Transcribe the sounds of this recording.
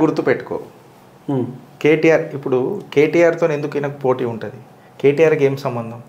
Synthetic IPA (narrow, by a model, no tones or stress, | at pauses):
ɡuɾt̪ːupeʈːu̥ko̰ː | keːʈiːjaːɾipːuɽuke̞ːʈiːjaːɾt̪oːne̞nd̪ukɐjnɐkupo̞ːʈiːuɳʈud̪i | keːʈiːjaːɾke̞ːmsɐmbɐnd̪ʱɐm